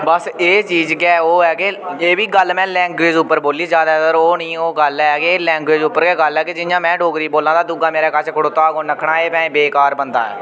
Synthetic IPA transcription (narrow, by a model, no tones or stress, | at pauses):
bəseːt͡ʃiːzkɛːoːɛːɡeːeːʋiːɡəlmɛ̃ːlɛ̃ːŋɡweːd͡ʒʊpːəɾboːliːzjaːd̪aːɦɛəɾoːnĩːoːɡəlɛːkeːlɛ̃ːŋɡweːd͡ʒʊpːəɾkeːɡəlɛːked͡ʒɪnjãːmɛ̃ːɖoːɡɾiːboːlãːd̪aːd̪ʊɡaːmeːɾaːkət͡ʃʰkʰəɽoːt̪aːɡoːnəkʰːɳãːeːpɛ̃ːbeːkaːɾbənd̪a̰ːɛ̰ː